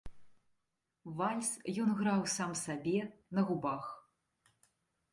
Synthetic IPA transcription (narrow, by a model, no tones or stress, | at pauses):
valʲsjɔnɣɾawsamsabʲɛnɐɣubax